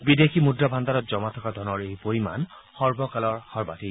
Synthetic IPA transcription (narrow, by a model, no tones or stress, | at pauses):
bid̪ekʰimudɹabʱand̪aɾɔt̪̚d͡ʒɔmat̪ʰɔkad̪ʱɔnɔɹejpoɹima̰n | hɔɹbɔkalɔɹhɔɹba̰t̪i